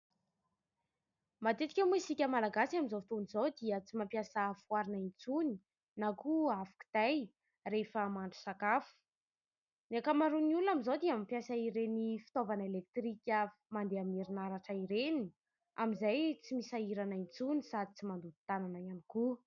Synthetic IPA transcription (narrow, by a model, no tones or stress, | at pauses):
mat̪et̪i̥kʲemisikʲəmalaɡasaminzofit̪onizod̪iət͡simampjasafuaɾinaint͡suni | nakuafḁku̥t̪aj | refəmaɳɖ͡ʐu̥sakafu̥ | neakamaɾuniulunamizod̪iamampjasaiɾenifi̥t̪ovanəelek̚t̪ɾikʲəmand̪eamiɾinaɾaʈ͡ʂaiɾeni̥ | amizajt͡simisaiɾanaint͡sunisad̪i̥t͡simand̪ud̪i̥t̪ananajaniku